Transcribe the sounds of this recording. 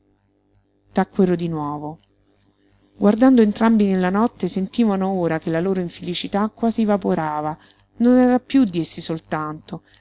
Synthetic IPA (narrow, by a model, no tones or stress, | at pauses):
t̪akːweɾod̪inwɔːvo | ɡward̪and̪oent̪ɾambinelːanɔt̪ːesent̪iːvanooːɾakelːaloːɾoiɱfelit͡ʃit̪akːwaːzivapoɾaːva | nonɛːɾapjud̪ːiesːisolt̪ant̪o